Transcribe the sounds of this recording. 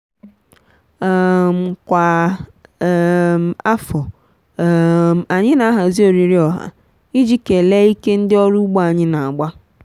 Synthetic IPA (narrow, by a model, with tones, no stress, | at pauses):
m̩˨kʷa˨ | m˨a˦fɔ˨ | a˨ɲɪ˦na˦ɦa˨zi˦o˨ɾi˨ɾɪ˦ɔ˨ɦa̰˨ | i˦d͡ʒi˦ke˨le˦i˦ke˦n̩˦dɪ˦ɔ˦ɾu˦ɡ͡bo˦a˨ɲɪ˦na˨a˨ɡ͡ba˦